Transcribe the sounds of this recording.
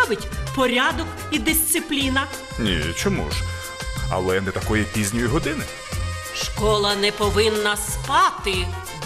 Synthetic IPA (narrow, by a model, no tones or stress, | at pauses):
ʋɪtʲpɔɾʲad̪ɔk | id̪ɪsʲt̪sɪplʲinɐ | nʲḭt͡ʃɔmṵʒ | ɐ̰lˠɛnɛt̪ɐkɔjipʲizʲnʲɔjiɦɔd̪ɪnɪ | ʃkɔlˠɐnɛpɔʋɪnːɐspɑt̪ɪ